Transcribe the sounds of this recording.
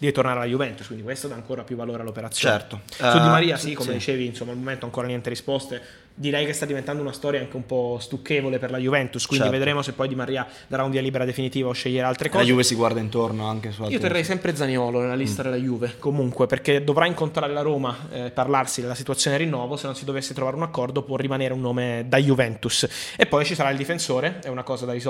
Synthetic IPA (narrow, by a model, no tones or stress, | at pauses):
d̪iet̪ornaːɾealajuvɛnt̪uskwindikwest̪od̪aːŋkoːɾapjuvːaloːɾealːopeɾat̪sːjot͡ʃoɛrt̪osud̪imaɾiːasikːomed̪it͡ʃeːviːnsomːaːlmoment̪oaŋkoːɾanjɛnt̪eɾispɔst̪e | d̪iɾɛjkest̪ad̪ːivent̪and̪ounast̪ɔːɾjaaŋkeumpɔst̪ukːeːvoleperlajuvɛnt̪uskwinived̪ɾeːmosepːɔjd̪imariːa | d̪aɾaunviːaliːbeɾad̪efinit̪iːvaoʃːeʎːeɾaalt̪ɾekɔːjuːvesiɡward̪aint̪ornoaŋk̟esuaiːot̪erːɛjsɛmpɾed̪zanjɔːlonelːalist̪ad̪elːajuːvekomuŋkweperked̪ovɾaiŋkont̪ɾaːɾelaɾoːmapːarlarsid̪elasit̪uat̪sːjoːneɾinːɔːvosenːonsid̪ovesːet̪ɾovaːɾeunakːɔrd̪opwɔrːimaneːɾeunːoːmed̪ajuvɛnt̪usepːɔjt͡ʃisaɾaild̪ifensoːɾeɛunakɔːzad̪aɾis